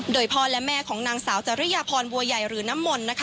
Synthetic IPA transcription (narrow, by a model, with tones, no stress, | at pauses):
doː˧˩jpʰɔː˧lɛ˦˥mɛː˧˩kʰɔː˩˦ŋnaː˧ŋsaː˩˦wt͡ɕa˨˩ɾa˦˥jaː˧pʰɔː˧nbu˧ɐja˨˩jɾɯː˩˦na˦˥mːo˧nːa˦˥kʰ